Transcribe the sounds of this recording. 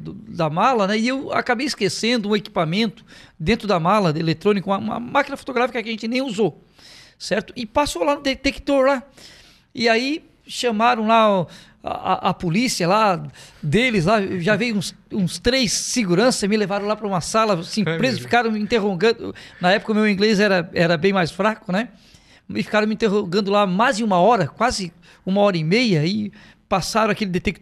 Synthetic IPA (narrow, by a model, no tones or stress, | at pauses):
d̪ʊd̪ɐmalɐnɛɪewa̰kabejɪskesẽnd̪ʊũeki̥pamẽnt̪ʊ̥d̪ẽnt̪ɾʊd̪ɐmalɐelet̪ɾõnikʊũɐũmɐ̰makinɐfo̥t̪oɡɾafikɐkɪɐʒẽnt͡ʃɪnẽj̃uzo | sɛɾt̪ʊ̥ɪpasolanʊd̪et̪ekt̪oɾla | ɪai | ʃɐ̃maɾɐ̃w̃la | a̰a̰ʔɐpolisiɐlad̪elɪzlaʒavejũsũst̪ɾejsːɪɡuɾɐ̃sɐmɪlevaɾɐ̃lapɾɐũmɐsalɐsĩpɾezɐfi̥kaɾɐ̃w̃mɪĩnt̪eɦoɡɐ̃d̪ʊnɐɛpʊ̥kɐʊmewĩɡlezɛɾɐɛɾɐbẽj̃majsfɾakʊnɛ | ɪfi̥kaɾɐ̃mɪĩt̪eɦoɡɐ̃nd̪ʊlamajzɪũmɐɔɾɐkwazɪ | ũmɐɔɾɐimejɐɪ | pasaɾɐ̃akelɪd̪et̪ek̚t̪